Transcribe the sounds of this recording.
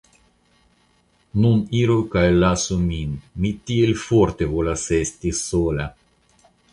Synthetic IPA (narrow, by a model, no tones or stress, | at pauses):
nuniɾokaelːasuminmit̪ielfoɾt̪evolasest̪isola